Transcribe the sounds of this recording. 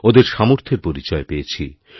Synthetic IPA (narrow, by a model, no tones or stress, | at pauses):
od̪eɾʃamoɾt̪ʰeɾpoɾit͡ɕɔepeet͡ɕʰḭ